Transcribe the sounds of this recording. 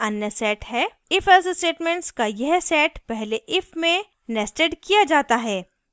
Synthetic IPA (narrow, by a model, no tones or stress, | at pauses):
ɐnjəsɛːʈɦɛː | ɪfʰɛssʈeːʈmẽɳʈskajɛɦsɛːʈpɛɦleʔɪfʰmẽ | nɛsʈeɖkijad͡ʒaːt̪aɦɛː